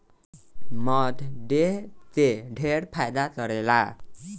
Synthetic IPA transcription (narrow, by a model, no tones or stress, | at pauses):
mʌt̪ɖet̪eɖʱeɽpʰajd̪at̪ʌɾela